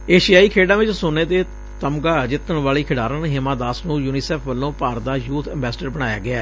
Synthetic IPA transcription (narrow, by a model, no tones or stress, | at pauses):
eːʃɪjaːiːkʰeːɖãːʋɪt͡ʃsʊneːd̪eː | t̪əmɡaːd͡ʒɪt̪ːəɳʋaːɭiːkʰɪɽaːɾənɦɪmãːd̪aːsnũːjuːniːsɛːpʰʋəlːõːpaːɾd̪aːjuːt̪ʰɛ̃mbɛːsɖəɾbəɽ̃aːja̰ːɡɪaː